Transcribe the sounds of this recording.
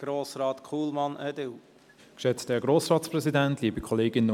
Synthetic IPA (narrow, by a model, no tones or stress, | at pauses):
ɡ̥ɾoːsɾɑːt̪kʰuːlmɑnɛdɪl | kʃɛt͡stdɛɐɡɾoːsʁɑːtsprɛzidæntliːbikʰɔleːɡɪnə